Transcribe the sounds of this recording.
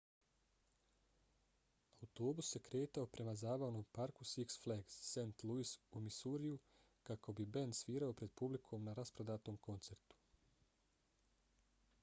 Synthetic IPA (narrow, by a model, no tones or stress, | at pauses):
aut̪o̞ːbusje̞kɾe̞ːt̪aopɾe̞mazaːbaʋnoːmpaɾkusiksfleɡsːent̪lˠuisumisuɾiu | kako̞bibe̞nsʋiːɾaopɾe̞d̪̚publikʰo̞ːmnaɾaspɾo̞d̪aːt̪o̞ːmko̞nt̪se̞ɾt̪u̥